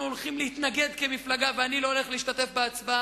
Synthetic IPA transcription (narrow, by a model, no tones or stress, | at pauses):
olχimlehit̪naɡe̞d̪ke̞miflaɡaveanilo̞ole̞χleiʃt̪at̪e̞fbeat͡svaa